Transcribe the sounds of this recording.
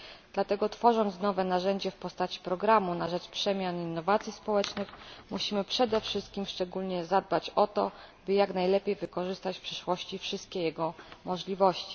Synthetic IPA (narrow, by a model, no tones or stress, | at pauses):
d̪̥lat̪ɛɡɔt̪fɔʐɔnt̪snɔvɛnaʐɛɲd͡ʑɛfpɔst̪at͡ɕi̥pɾɔɡɾamunaʐɛt͡ʂpʂɛmʲjaninːɔvat̪sʲjispɔwɛt͡ʂnɘxmuɕimɘpʂɛd̪ɛfʂɘst̪̚kʲimʂt͡ʂɛɡulɲɛzad̪̚bat͡ɕɔt̪ɔbɘjaknajlɛpʲjejvɘkɔʐɘst̪at͡ɕfpʂɘʂwɔɕt͡ɕifʂɘst̪̚kʲejɛɡɔmɔʐlʲivɔɕt͡ɕi̥